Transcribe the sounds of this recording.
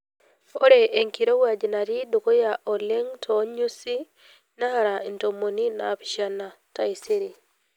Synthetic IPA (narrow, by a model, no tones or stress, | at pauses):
ɔɾɛʔːŋkiɾowad͡ʒinaɾidokɔjaʔɔlɛŋtʰɔɲusi | nahaɾaintomoninaːɸiʃana | taiseɾi